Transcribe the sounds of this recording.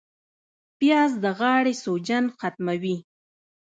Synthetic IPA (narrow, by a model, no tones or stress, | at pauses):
pjɑzd̪əɣɑːɽesod͡ʒanxat̪mawi